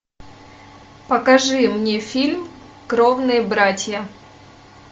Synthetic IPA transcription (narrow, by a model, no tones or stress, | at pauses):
pəkɐʐɨmnʲefʲilʲm | kɾovnɨjəbɾatʲjə